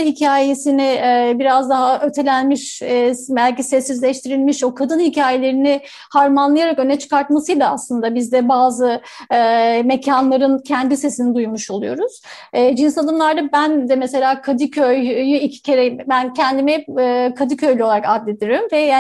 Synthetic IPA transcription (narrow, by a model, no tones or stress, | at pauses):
hicʰaːjesinɪɛbiɾazd̪aɦaʔøt̪ʰe̞lʲænmiʃbælʲcisɛsːizlʲɛʃt̪ʰiɾilʲmiʃokʰad̪ɯnhicʰaːje̞lʲe̞ɾinɪ | haɾmanlˠajaɾakø̞nɛt͡ʃʰɯ̥kaɾt̪masɯjlʲˠaaslˠɯnd̪abizd̪ɛbaːzɯɯːme̞cʰanlˠaɾɯncʰɛnd̪ise̞sinid̪ujmuʃo̞lˠujo̞ɾuz̥ː | d͡ʒinsad̪ˠɯmlˠaɾd̪abænd̪ɛmese̞lʲaːkʰad̪ɯcʰøjjyicʰi̥cʰeɾembæncʰɛnd̪imɛkʰad̪ɯcʰø̞jlʲyoaɾakad̪lʲed̪iɾimvɛja